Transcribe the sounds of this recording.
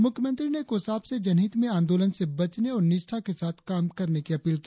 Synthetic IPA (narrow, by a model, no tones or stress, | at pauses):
mʊkʰjəmə̃nt̪ɾinekoːsaːbsed͡ʒɐnɦiːt̪mẽaːnd̪oːlənsebɐt͡ʃneɔːɾnɪʃʈʰakesaːt̪ʰkaːmkɐɾnekiɐpiːlki